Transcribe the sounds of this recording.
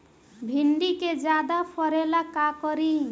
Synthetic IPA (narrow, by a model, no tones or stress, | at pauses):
bʱiɳɖiked͡ʒjad̪apʰɔɾelakakɔɾi